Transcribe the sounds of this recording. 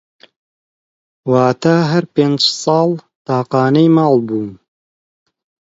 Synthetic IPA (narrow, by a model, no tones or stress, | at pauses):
waːt̪aːɦɐɾpeːnd͡ʒsˤɑːl | t̪ɑːqɑːnɐjmɑːlˠbuːn